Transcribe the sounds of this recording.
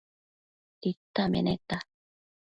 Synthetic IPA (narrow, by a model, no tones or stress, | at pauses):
it̪ːamḛnet̪a